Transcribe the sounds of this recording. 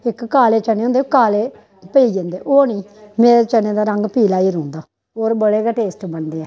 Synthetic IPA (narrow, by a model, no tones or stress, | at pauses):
ɪkːaːleːt͡ʃənẽːõːnd̪eoːkaːleː | pəiːd͡ʒẽːnd̪eːʔoːnĩːmeːɾet͡ʃəneːd̪aːɾəŋɡpiːlaːiːɾõːnd̪aː | oːɾbəɽeːkaʈeːsʈbənd̪eːɛː